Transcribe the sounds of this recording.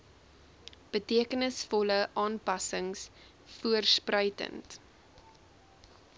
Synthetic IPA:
b̥ətiəkənəsfɔləʔɑːnpɐsəŋs | fuərsprəɥtə̰nt

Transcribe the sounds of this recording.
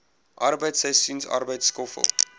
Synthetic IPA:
ʔarbəjtsɛsynsa̰rbəjtskɔfə̰lˠ

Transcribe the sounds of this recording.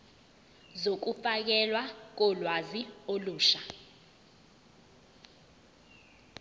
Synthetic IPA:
zok̬ufak̬ɛlwak̬ɔlwazioluːʃa

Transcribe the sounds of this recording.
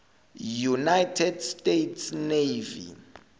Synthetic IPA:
junajtʰɛdstʼetʰsnevḭ

